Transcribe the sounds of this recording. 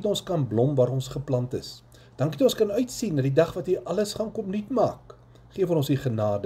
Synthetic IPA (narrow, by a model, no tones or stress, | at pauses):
tɔ̃nskɐnblɔmvɑːɾɔnsχəplɐntəs | d̥ɐŋkitɔ̃nskɐnœɥtsinːɐdidɐχvɐtiʔɐləsχɑnkɔpnitmɑːk | χiəfɔnɔ̃nsiχənɑːdə